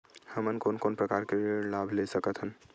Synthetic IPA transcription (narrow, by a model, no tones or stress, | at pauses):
həmənkoːnkoːnpɾəkaːɾkelaːbʱlesəkət̪ɦən